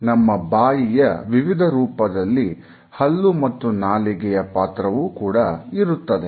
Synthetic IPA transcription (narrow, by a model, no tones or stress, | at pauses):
nɐmːɐbaːjijɐʋiʋid̪ʱɐɾuːpɐd̪ɐlːi | hɐlːumɐt̪ːunaːliɡɛjɐpaːt̪ɾɐʋuːkuːɽɐiɾut̪ːɐd̪e